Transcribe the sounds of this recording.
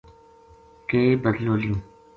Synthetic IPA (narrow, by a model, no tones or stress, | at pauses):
keːbəd̪loːlĩ